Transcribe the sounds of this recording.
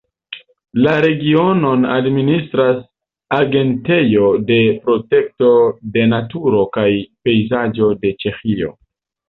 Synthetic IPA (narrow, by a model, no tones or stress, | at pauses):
laɾe̞ɡio̞no̞na̰dministɾas | aɡe̞nte̞jo̞de̞pɾo̞te̞k̚to̞de̞natuɾo̞kajpe̞jzad͡ʒo̞de̞t͡ʃe̞xio̞̰